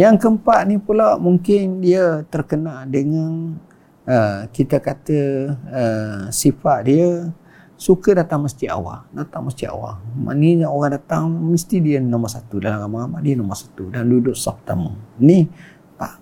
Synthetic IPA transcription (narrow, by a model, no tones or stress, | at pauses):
jaŋkəmpaʔnipulaʔmuŋkɪndiət̪ərkənaldəŋãn | əkit̪əkat̪əəsifaʔ̪diə | sukədat̪aŋməst̪iʔa̰wa̰dat̪aŋməst̪iʔa̰wa̰ma̰niɲaoɣaŋdat̪aŋməst̪idiənãməsat̪udalaɣamaamaʔdiənaməsḁt̪udandudʊʔsapə̥t̪amə̰ni | pa̰ʔ